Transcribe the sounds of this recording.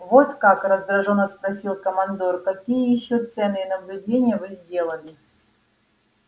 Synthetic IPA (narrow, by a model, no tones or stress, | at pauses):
vot̪kakrəzd̪ɾɐʐonəspɾɐsʲilˠkəmɐnd̪orkɐkʲijəjɪɕːot̪sɛnːɨjənəblʲʊdʲenʲɪjəvɨzʲdʲe̞lˠənʲɪ